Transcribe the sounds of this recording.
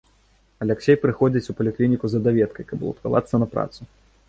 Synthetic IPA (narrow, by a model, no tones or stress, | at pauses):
ɐlʲaksʲɛjpɾɨxɔd͡zʲit͡sʲupɐlʲiklʲinʲikuzɐd̪avʲɛt̪̚kɐjkɐblˠṵt̪kava̰t̪sːɐnɐpɾa̰t̪su